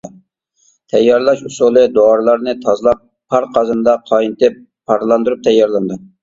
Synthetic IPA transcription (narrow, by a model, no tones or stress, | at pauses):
t̪ʰɛjːɑɾlˠɑʃusulˠɨd̪oɑɾlˠɑɾnɨt̪ʰɑzɨlˠɑp̚ːʰ | ɑɾqʰɑzɨnd̪ɑqʰɑjint̪ɪp | pʰːɑɾlˠɑnd̪uɾup̚t̪ʰɛjːɑɾlˠɑnd̪ɨ